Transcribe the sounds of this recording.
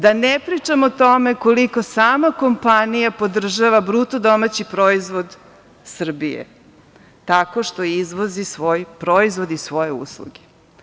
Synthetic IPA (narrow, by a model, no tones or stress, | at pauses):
d̪anepɾit͡ʂamot̪o̞meko̞liko̞saːmako̞mpanijapo̞d̪r̩ʒaʋabɾut̪od̪o̞mat͡ɕipɾo̞izʋo̞d̪ | sr̩bijḛ | t̪ako̞ʃt̪o̞izʋo̞zisʋo̞ːjpɾoizʋo̞d̪isʋo̞je̞ṵslˠṵɡe̥